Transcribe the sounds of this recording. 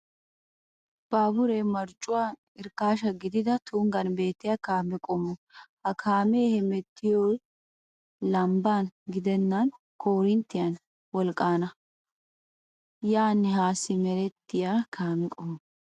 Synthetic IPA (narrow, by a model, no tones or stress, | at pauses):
b̥aːbʊɾemɐɾt͡ʃʼːʊwa | ɪɾkaːʃɐɡɪd̪ɪd̪ɐt̪ʰʊŋɡɐnbe̞ːt̪ːɪjaːkaːmɛkʼɔmɔhɐkʰaːmeːhɛmɛt̪ːɪjo | lɐmbaːnɡɪd̪ɛnːɐn | kʰoːɾɪnt̪ːɪjɐn | wɔlkʼːaːnɐ | jaːnːɪhaːsɪmɛɾɛt̪ːɪjaːkʰaːmɛkʼɔmɔ